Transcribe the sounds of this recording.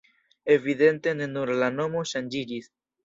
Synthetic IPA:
eviðent̪enenuɾlanomoʃanʲd͡ʒiɾis

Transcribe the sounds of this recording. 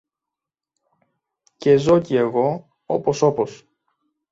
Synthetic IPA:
ce̞zo̞cie̞ɣo̞ | o̰po̞so̞pos

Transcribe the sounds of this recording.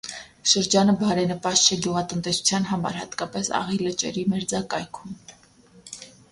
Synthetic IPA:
ʃəɾd͡ʒɑnəbɑɾɛnəpɑst͡ʃʰɛɡjuʁɑt̪ənt̪ɛsu̥t͡sʰjɑn̪ɦɑmɑ̰ɾhɑ̰t̪kɑpɛsɑ̰ʁilət͡ʃɛ̰ɾimɛɾd͡zɑkɑjkʰum

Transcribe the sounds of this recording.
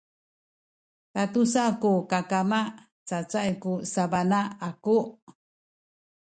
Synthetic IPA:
tat̪usakukakama | t͡sat͡saʔikusabanaakuʔ

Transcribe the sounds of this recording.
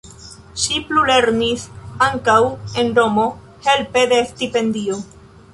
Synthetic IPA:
ʃiplule̞ɾnisaŋkawe̞nɾo̞mo̞ | he̞lpe̞d̪e̞stipe̞ndio̞

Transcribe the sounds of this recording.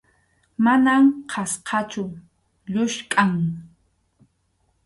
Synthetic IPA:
manamqʰɑsqʰɑt͡ʃʊ | ʎʊʃkʼaŋ

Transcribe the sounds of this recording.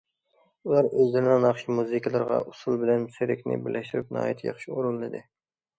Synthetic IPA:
ulˠɑɾøzd̪ɪɾnɪŋnɑχʃimuzɨkʰʲɑlˠɨɾʁɑ̰ʔʊsulˠbɪlɛnseɾɪkʲnɪ̰bɪɾlʔæʃt̪uɾɪp̚nɑ̰ːit̪ʰjɑ̰χʃioɾulːɨd̪ɪ

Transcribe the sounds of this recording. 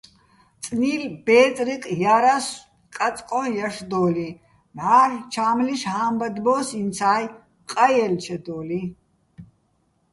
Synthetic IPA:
t͡s̪ʼniːlb̥ɛːt͡sʼɾiqʼjaɾas | kʼat͡sʼkʼɔjaʂd̪ɔːli | maːɾt͡ʃʰaːmliʃhaːmbad̪bɔːsint͡sʰaːj | qʼajɛlt͡ʃʰɛd̪ɔːli

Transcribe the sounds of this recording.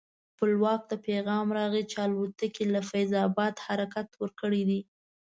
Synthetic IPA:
xpəlwɑk̚d̪əpeɣɑmɾɑɣit͡ʃɑlwot̪əkilafajzɑbɑd̪haɾakat̪wəɾkəɽid̪i

